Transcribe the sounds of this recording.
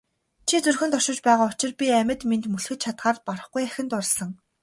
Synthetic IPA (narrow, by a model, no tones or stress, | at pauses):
t͡ɕʰit͡sɵrxɘ̆nt̪ɔʃɪ̆t͡ɕpæːʁaːʊt͡ɕɪ̆rpʲiæmʲɘ̆t̪ment̪mɵɮxɘ̆t̪t͡ɕʰat̪ɢaːrpɔɾə̆χɡujæxʲɪ̆nt̪ʊrsə̆ŋ